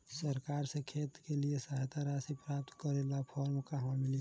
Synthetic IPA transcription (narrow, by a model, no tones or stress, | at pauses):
səɾkaːɾsekʰeːt̪keliesaɦt̪ʰaɾasipɾaːp̚t̪kəɾelapʰɔɾmkaɦãmɪli